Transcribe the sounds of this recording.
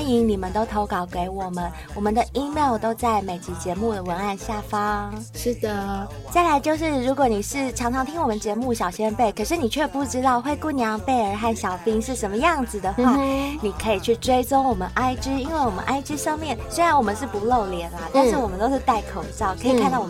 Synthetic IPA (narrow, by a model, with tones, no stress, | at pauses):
ni˧˥ŋni˨˩mə˦nt̪o˥ʊt̪ʰo˧˥ʊkɑ˨˩ʊke˧˥ɪwɔ˨˩mə˦n | wɔ˨˩mə˦nd̪ə˧ʔi˥mɑ˥˩ʊt̪o˥ʊt͡sa˥˩ɪme˨˩ɪt͡ɕi˧˩t͡ɕjɛ˧˥mu˥˩d̪ə˩wə˧˥na˥˧nɕja˥˩fɑ˥ŋʂɻ̩˥˩d̪ə˩ | t͡sa˥˩ɪla˧˥ɪt͡ɕjo˥˧ʊʂɻ̩˥˩ɻu˧˥kwɔ˧˥˦ni˨˩ʂɻ̩˥˩ʈ͡ʂʰɑ˧˥ŋʈ͡ʂʰɑ˧˥ŋt̪ʰi˥ŋwɔ˨˩mə˦nt͡ɕjɛ˧˥mu˥˩ɕjɑ˨˩ʊɕjɛ˥npe˥˩ɪkʰɤ˨˩ʂɻ̩˥˩ni˨˩t͡ɕʰɥɛ˥˧pu˥˩ʈ͡ʂɻ̩˥t̪ɑ˥˧ʊxwe˥˧ɪku˥˩njɑ˧˥ŋpe˥˩ɪə˞˧˥xa˥˩nɕjɑ˨˩ʊfi˥ŋʂɻ̩˥˩ʂə˧˥mə˧jɑ˥˩ŋd͡zɹ̩˨˩d̪ə˩xwa˥˩ni˨˩kʰɤ˧˥i˨˩t͡ɕʰy˥˩ʈ͡ʂwe˥ɪt͡sʊ˥ŋwɔ˨˩mə˦nʔa˥ɪʈ͡ʂɻ̩˥i˥nwe˥˩ɪwɔ˨˩mə̰˦nʔa˥ɪʈ͡ʂɻ̩˥ʂɤ˥˧ŋmjɛ˥˩nswe˥ɪɻa˧˥nwɔ˨˩mə˦nʂ̬ɻ̩˥˩pu˧˥lo˥˩ʊljɛ˧˥nlɐ˦t̪a˥˧nʂɻ̩˥˩wɔ˨˩mə˦nt̪o˥ʂɻ̩˥˧t̪a˥˩ɪkʰo˨˩ʊʈ͡ʂɑ˥˩ʊkʰɤ˧˥i˨kʰa˥˧nd̪ɑ˥˩ʊ˨˩